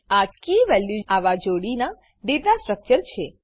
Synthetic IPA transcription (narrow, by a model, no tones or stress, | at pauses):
akiʋɛljuaʋad͡ʒoɽina | ɖiɾnasʈɾək̚t͡ʃəɾt͡ʃʰe